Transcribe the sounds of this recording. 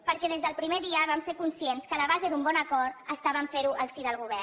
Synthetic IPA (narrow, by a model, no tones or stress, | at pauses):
pəɾkɛðezðəlˠpɾimeðiəβamseɾkunsienskələβ̞azed̪umbɔnəkɔɾt̪əst̪aβəmfeɾuʔəlˠsiðəlˠɣuβ̞ɛɾ